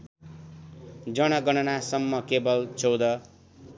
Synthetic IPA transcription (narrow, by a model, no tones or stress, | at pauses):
d͡zʌɽ̃ʌɡʌɽ̃ʌnasʌmːʌkebʌlt͡sʌwd̪ʌ